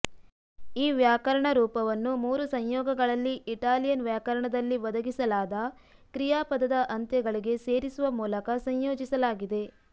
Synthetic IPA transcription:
iːʋjaːkɐɾɐɳɐɾuːpɐʋɐnːumuːɾusɐɲjɔːɡɐɡɐɭɐlːiʔiʈaːlijɐnʋjaːkɐɾɐɳɐd̪ɐlːiʋɐd̪ɐɡisɐlaːd̪ɐkɾijaːpɐd̪ɐd̪ɐʔɐnt̪jɐɡɐɭiɡe̞se̞ːɾisuʋɐmuːlɐkɐsɐɲjoːd͡ʒisɐlaːɡid̪e̞

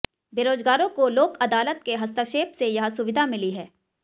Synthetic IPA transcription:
beːɾoːzɡaːɾõkoloːkɐd̪aːlət̪̚keɦɐst̪aʃeːpsejɐɦsʊʋɪd̪ʱamɪliɦɛː

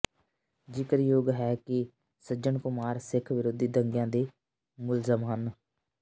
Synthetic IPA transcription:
d͡ʒɪkəɾjoːɡɦɛːkɪ | səd͡ʒəɳkʊmaːɾsɪkʰʋɪɾoːd̪iːd̪əŋɡjãːd̪eː | mʊlzəmɦən

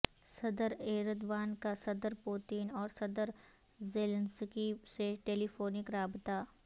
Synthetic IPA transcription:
sɐd̪əɾeːɾəd̪ʋaːnkasɐd̪əɾpuːt̪inɔːɾsɐd̪əɾ | zeːlə̃nskiseʈeːlipʰoːnɪkɾaːbt̪a

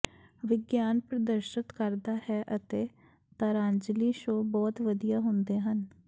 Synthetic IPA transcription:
ʋɪɡjaːnpɾəd̪əɾʃɪt̪kəɾd̪aːhɛːʔət̪eː | t̪aːɾãːnd͡ʒliːʃoːbɔːt̪ʋəd̪ijaːɦʊnd̪eːɦən

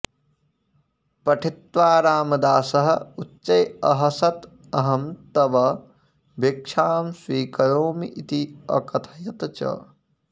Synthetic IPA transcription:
pɐʈʰit̪ʋaːɾaːmɐd̪aːsɐɦɐ̆utːt͡ʃɐjɐɦɐsɐt̪ | ɐɦɐmt̪ɐʋɐ | bʱekʃʰaːmswiːkɐɾoːmiʔit̪iɐ̰kɐt̪ʰɐjɐt̪ɐt͡ʃɐ̰

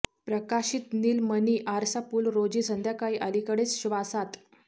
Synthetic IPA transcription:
pɾəkaɕiːt̪niːlməniːʔaɾsapuːlɾod͡ʑiːsənd̪jakaiʔalikəɽesɕiʋasat̪

